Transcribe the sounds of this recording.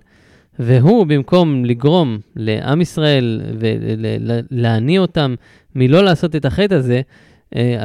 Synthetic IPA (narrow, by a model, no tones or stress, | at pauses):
ve̞ɦubimko̞mliɡʁo̞mle̞̰ʔa̰misʁae̞lvḛḛleanio̞t̪amː | ilo̞laːso̞t̪e̞t̪aχet̪aze̞ | ʔea